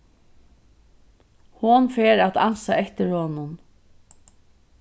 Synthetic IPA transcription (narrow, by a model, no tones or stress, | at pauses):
hʊnfeːɾat̪ansaɛht̪ɪɾhoːnʊn